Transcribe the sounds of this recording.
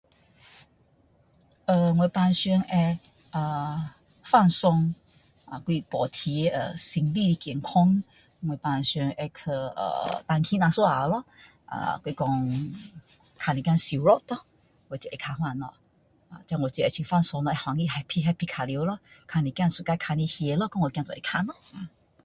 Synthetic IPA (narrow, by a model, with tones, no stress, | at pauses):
ə˧ŋwe˨˧˨pa˧nɕɛ˧ŋɛ˧ | ʔə˨ | fa˥˧nsɔ˧ŋ | ʔa˨kwi˧pɔ˨˩t̪ʰi˧˦˧ə˧˩si˧˩ŋli˥˧li˧kji˨˩ŋkʰɔ˦ŋ | ŋwe˨˩pa˧nɕɛ˧ŋʔɛ˧kʰə˧ə̰˧˩t̪a˧ŋkʰĩ˧˦nã˧˩swo˧˦a̰˨˩˧lɔ˧˦ | ʔa̰˨kwi˧kɔ˧ŋ | kʰa˧nĩ˧kã˥˧nsi˨˩˦ɾɔ˦t̪ɔ˧˦ | wo˨˩t͡ɕɛ˧˨ʔe˧˩kʰa˧hw̃a˥˧˨nɔ̰˧˨ | a̰˨t͡ɕã˧ŋwo˨t͡ɕe˧t͡ɕʰi˧˩fa˥˧nsɔ˧ŋlɔ˧ʔɛ˧hwa˨˧ŋi˧ɦa˧pʰi˧ɦa˧˦pʰi˧kʰa˨li˧˦lɔ˧˦kʰa˧nĩ˧kjã˥˧nsu˧˨ka˧kʰa˧nĩ˧hje˧˦lɔ˧˦kɔ˦ŋwo˨kjã˧t͡sɔ˨e˧˩kʰa˧nɔ˧˦a˨˩